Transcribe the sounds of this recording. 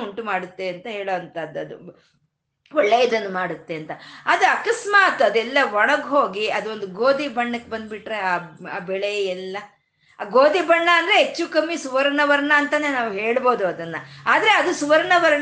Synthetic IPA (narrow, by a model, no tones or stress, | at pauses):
uɳʈumaːɽut̪ːe̞ɐnt̪ɐɦeːɭoːɐnt̪ɐd̪ːɐd̪ṵ | ɔɭːeːjɐd̪ɐnːɐmaːɽut̪ːe̞ɐnt̪ɐɐd̪uɐkɐsmaːt̪ɐd̪ɛlːɐʋɔɳɐɡɦoːɡiɐd̪uo̞nd̪uɡoːd̪ibɐɳːɐkːebɐnd̪biʈːɾeaːa̰ːbɛɭejɛlːɐ | ɡoːd̪ibɐɳːɐɐnd̪ɾeɦet͡ʃːukɐmːisuʋɐɾɐɳɐʋɐɾɐɳɐɐnt̪ɐne̞ːnaːʋuɦe̞ːɭbo̞ːd̪uɐd̪ɐnːɐaːd̪ɐɾe̞ɐd̪usuʋɐɾɐɳɐʋɐɾɐɳ